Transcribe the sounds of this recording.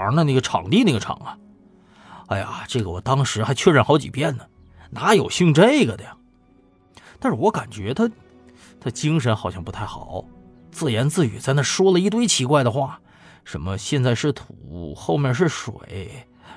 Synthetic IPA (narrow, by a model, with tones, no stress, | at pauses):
nə˧na˥˩ɡə˩ʈ͡ʂʰɑ̰˨˩ŋt̪i˥˧ne˥˩ɡə˩ʈ͡ʂʰɑ̰˨˩˦ŋə˦ | a˥ɪja̰˨˩ʈ͡ʂɤ˥˩ɡə˩wɔ̰˨˩t̪ɑ˥ŋʂɻ̩˧˥xa˧˥ɪt͡ɕʰɥɛ˥˧ɻə˥nxɑ˧˥ʊt͡ɕḭ˨˩pjɛ˥˩nd̪ə˩ | na˧˥jo˨˩ʊɕi˥ŋʈ͡ʂe˥ɪɡə˩t̪ə˧˩jɑ˩ŋ | t̪a˥˧nʂɻ̩˥˩wɔ˧˥ka˨˩nt͡ɕɥɛ˧˥t̪ʰa˥ | t̪ʰa˥t͡ɕi˥ŋʂ̬ə˧˥nxɑ˨˩ʊɕjɑ˥˧ŋpu˧˥t̪ʰa˥˩ɪxɑ˨˩˦ʊ | t͡sɹ̩˥˩jɛ˧˥nt͡sɹ̩˥˩t͡ɕy̰˨˩t͡sa˥˧ɪna˥˩ʂwɔ˥lə˨i˥˩t̪we˥ɪt͡ɕʰi˧˥kwa˥˩ɪd̪ə˩xwa˥˩ | ʂə̰˧˥nmə˧ɕjɛ˥˧nt͡sa˥˧ɪʂɻ̩˥˩t̪ʰṵ˨˩xo˥˧ʊmjɛ˥˧nʂ̬ɻ̩˥˩ʂwḛ˨˩˦ɪ